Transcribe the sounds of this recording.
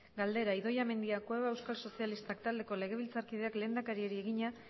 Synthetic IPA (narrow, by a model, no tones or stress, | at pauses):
ɡald̪e̞ɾaiðo̞jame̞nd̪iakweβe̞wskalso̞sialist̪akt̪ald̪e̞ko̞le̞ɣ̞e̞β̞ilt͡saɾkið̞e̞akle̞ːnd̪akaɾie̞ɾie̞ɣiɲa